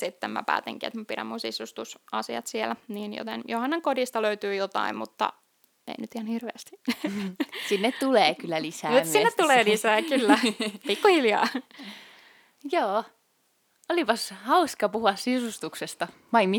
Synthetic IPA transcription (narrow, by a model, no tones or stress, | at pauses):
sit̪ːæmæ̰pæ̰ːt̪ḛŋkiæ̰t̪mupiɾæ̰mːunsisust̪usɑsiɑ̰t̪sielniːnjo̰t̪ḛnjohɑnːeŋkodist̪ɑløyt̪yːjot̪ɑ̰immut̪ːɑ̰ | ḛinyt̪ihɑnhirʋeæst̪i̥ | sinːet̪t̪uleːkylːælisæusinnːett̪t̪uleːlisæːkylːæpikːuhiljɑ̰ː | joː | olipɑshɑuskɑpuhuɑssisust̪uksest̪ɑ | mɑimi